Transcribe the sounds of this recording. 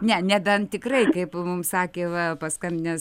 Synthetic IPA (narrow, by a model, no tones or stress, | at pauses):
nʲɛnʲɛd̪ɐnt̪ʲɪkrɐɪkɐɪpmʊmsɑːkʲeːʋɐpɐskɐmʲnʲɛs